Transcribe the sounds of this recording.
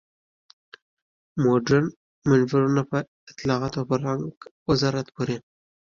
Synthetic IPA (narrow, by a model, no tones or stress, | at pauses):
moɖan | manvɪɾunapə | ɪt̪lɑɑt̪opəɾaŋɡwɪzɑɾat̪boɾi